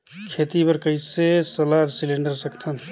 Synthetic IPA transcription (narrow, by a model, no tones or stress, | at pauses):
kʰeːt̪ipɐɾkɐisesɐlaːɾsɪlẽɳɖəɾsɐkt̪ʰən